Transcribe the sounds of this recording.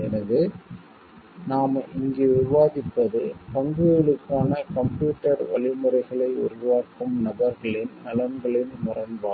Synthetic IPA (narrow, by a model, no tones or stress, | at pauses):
ɛnɐðɯ | naːmʔɪŋɡeːʋɪʋaːðɪpːɐðɯpɐŋɡɯɯɭɯkːaːnɐkɐmpjuːʈːɐɽʋɐ̰ɭɪmɯrɐɪɣɐɭɐɪʊ̰ɾʊʋaːkɯmnɐbɐɾɣɐɭɪnnɐlɐnɡɐɭɪnmʊrɐnbaː